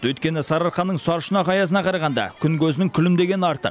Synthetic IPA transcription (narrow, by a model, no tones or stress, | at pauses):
wɵjt̪̚kʲe̞nɪsɑɾɑɾχɑnːəɴsɑɾʃənɑqɑjɑsənɑqʰɑɾɑʁɑnd̪ɑ̰kʲʰʏŋkʲʰɵzɪnɪŋkʲʰʏlɪmd̪e̞ɡʲe̞nɑɾt̪ə̰q